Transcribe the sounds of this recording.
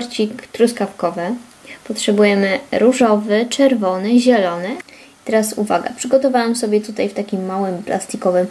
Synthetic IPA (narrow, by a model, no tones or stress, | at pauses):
ɾt͡ɕikt̪ɾuskafkɔvɘ | pɔtʂɛbujɛmɘɾuʐɔvɘt͡ʂɛɾvɔnɘʑɛlɔnɘ | it̪ɛɾasṵva̰ɡa̰pʂɘɡɔt̪ɔvawɛmsɔbʲjɛt̪ut̪ajft̪akʲimːawɘmpla̰st̪ikɔvɘm